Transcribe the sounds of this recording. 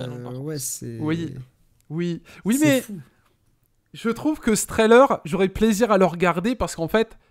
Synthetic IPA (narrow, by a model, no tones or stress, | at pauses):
wɛsɛ̰wi | wiwimɛ | ʒət̪χuvkəst̪χɛlœʁʒɔʁɛpleziʁaləʁɡaʁd̪epaʁsə̥kɑ̃fɛt̪